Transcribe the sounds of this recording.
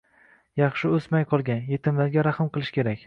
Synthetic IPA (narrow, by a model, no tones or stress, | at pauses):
jɑχʃɪɵsmajqʰɒlˠɡʲanje̞t̪ʰɪmlaɾɡʲaɾaχɨmqɨlˠɪʃkʲʰe̞ɾakʲ